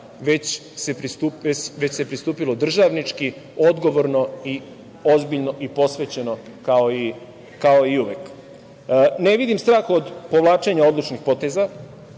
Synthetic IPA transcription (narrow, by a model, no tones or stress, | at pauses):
ʋe̞t͡ɕ | sepɾist̪upeʋet͡ɕse̞pɾist̪uːpilo̞d̪r̩ʒaʋnit͡ʃki | o̞d̪ɡo̞ʋoɾno̞i | o̞zbiʎno̞ʔipo̞sʋe̞t͡ɕe̞no̞kaoi | kao̞iuʋjek | neʋid̪imst̪ɾaːxod̪po̞ʋlˠaːt͡ʃe̞ɲao̞d̪lˠut͡ʃnixpo̞t̪e̞za